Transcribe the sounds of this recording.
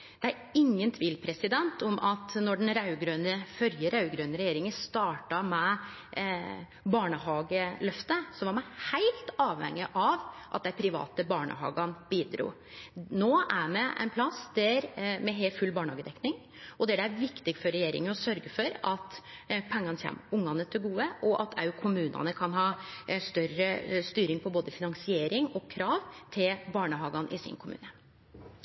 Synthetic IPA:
d̪̥ɛæɾɪŋːənt̪ʰʋiːlpʰɾɛsɪd̪ɛnt̪ʰɔmʔɑt̪nɔɖɛnɾɑʉɡɾøːnəfœɾjəɾɑʉɡɾøːnəɾɛjeːɾɪŋəst̪ɑːʈɑmɛ | bɑːɳəhɑːɡəlœft̪əsɔʋɑɾmæɪhæɪlt̪ɑːʋhɛ̰ŋːɪʔɑʋʔɑ̰t̪̚d̪æpʰɾɪʋɑ̰ːt̪əbɑːɳə̰hɑ̰ːɡɑnb̥iːd̪ɾṵː | noːæɾmɛʔɛ̰ɪnpʰlɑsd̪æɾmɛɦeːfʉlːbɑːɳəhɑːɡəd̪ɛknɪŋ | ɔd̪ɛæɖɛæɾʋɪkt̪ɪɡfɔɾɛjeːɾɪ̰ŋənɔsœɾɡəfɔɾɑt̪pʰɛŋːɑnəçɛ̰mʊŋːɑnət̪ʰɪlɡuːəʔɔʔɑt̪ʰɑ̰ʉkʰʊmʉːnɑ̰nəkʰɑnɦɑːst̪œɾəst̪yːɾɪŋpʰɔboːd̪əfɪnɑŋsɪeːɾɪŋɔkʰɾɑːʋt̪ʰɪlbɑːɳəɦɑːɡɑnʔɪsɪ̰nkʰʊmʉ̰ːnə

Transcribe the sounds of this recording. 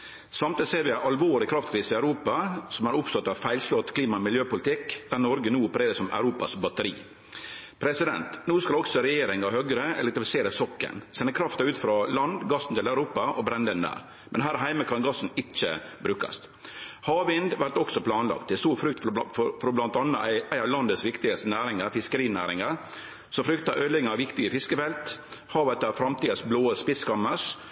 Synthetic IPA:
sɑmt̪ɪd̪seːʋɪæʔɑlʋoːɾɪkʰɾɑft̪kʰɾiːsəɪæʉɾuːpɑsɔmɑɾʊpst̪ɔt̪ːɑʋfæɪlslɔt̪ːkʰliːmɑmɪljøːpʊlɪt̪ʰɪkd̪̥æɾnɔɾɡənuːʊpːəɾeːɾəsɔmæ̰ʉɾuːpɑ̰sbɑt̪əɾḭː | pʰɾɛsɪd̪ɛ̰nt̪nuːskɑlɔksɔɾɛjeːɾɪŋɑhœɡɾəɛ̰lɛk̚t̪ɾɪfɪ̥seːɾəsɔkːə̰nsɛnːəkʰɾɑft̪ɑʉːt̪fɾɑlɑnd̪ɡɑsn̩t̪ɪlæʉɾuːpɑʔɔbɾɛnd̪ənd̪æ̰ːɾ | mʔɛnɦæːɾɦæɪməkʰɑnɡɑsːn̩ɪt͡ʃːə̰bɾʉːkɑ̰st̪ | hɑːʋɪnd̪ʋæɾʈ̪ɔksɔpʰlɑːnlɑ̰k̚t̪̚ʰːɛst̪uːɾfɾʏkt̪ffɔɾfɾɔblɑnt̪ɑnːəæɪæɪɑʋlɑnd̪əsʋɪkt̪ɪɡəst̪ənæːɾɪŋɑɾfɪskəɾiːnæ̰ːɾɪŋɑɾ | sɔfɾʏkt̪ɑ̰ʔœlɪŋəɑʋɪkt̪ɪɡəfɪskəfɛlt̪ | hɑːʋət̪ɑʋfɾɑmt̪iːəsbloːəspɪskɑmːəs

